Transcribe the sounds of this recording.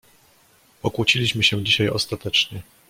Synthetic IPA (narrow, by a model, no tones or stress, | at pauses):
ɔkwut͡ɕilʲiɕmɘɕɛ̃d͡ʑiɕajɔ̰st̪at̪ɛt͡ʂɲɛ